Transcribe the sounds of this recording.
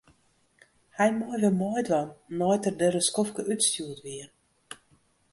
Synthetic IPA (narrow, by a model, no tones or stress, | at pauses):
hɛjmɔjʋɪlmɔjdʋɔnːɔjtərdəɾəskɔfkəʔytstuətʋiər